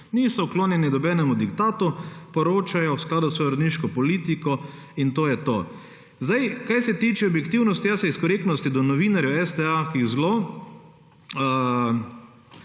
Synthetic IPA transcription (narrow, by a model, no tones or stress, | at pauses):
niːsɔwkloːnjɛnid̪ɔbɛːnɛmud̪ikt̪aːt̪upɔɾoːt͡ʃajɔwsklaːd̪ʊsʋɔːjɔɾɐd̪niʃkɔpɔliːt̪ikɔ | int̪oːjɛt̪oː | zd̪ajkajsɛt̪iːt͡ʃɛɔbjɛkt̪iwnɔst̪ijasɛiskɔɾeːknɔst̪id̪ɔnɔʋiːnaɾjɛwɛst̪ɛakiɣzlo